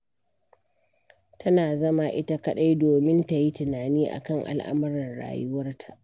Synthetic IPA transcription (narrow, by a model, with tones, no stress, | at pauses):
tʰɐ˦naː˨zɐ˦ma˦ʔɪ˦ta˦kɐ˦ɗa˦jdoː˨mɪ˦nta˨ji˦tɪ˨naː˨niː˦ʔa̰˨kɐ˦˨ŋʔa̰˨lʔa̰˦mɐ˦ɾɐ˨nɽa̰ː˨jʊ˦wɐ˦rtʰḁ˨ʔ